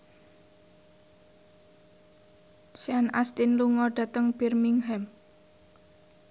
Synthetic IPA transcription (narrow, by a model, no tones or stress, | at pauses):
sianast̪inluŋɔɖ̥a̤t̪əŋb̥irmiŋɦɛm